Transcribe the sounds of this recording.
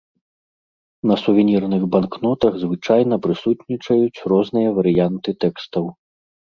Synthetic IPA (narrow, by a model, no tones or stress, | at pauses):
nɐsuvʲinʲirnɨɣbanknɔt̪ɐɣzvɨt͡ʂajn̪ɐpɾɨsut̪nʲit͡ʂɐjut͡sʲrɔznɨjɐvɐɾɨjant̪ɨt̪ɛkst̪ɐw